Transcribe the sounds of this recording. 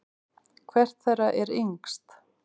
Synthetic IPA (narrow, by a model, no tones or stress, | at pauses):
kʰvɛr̥t̪θɛrːaʔɛɾiŋkst̪